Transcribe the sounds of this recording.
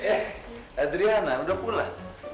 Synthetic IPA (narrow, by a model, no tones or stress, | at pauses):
ɛad̪ɾianaudapula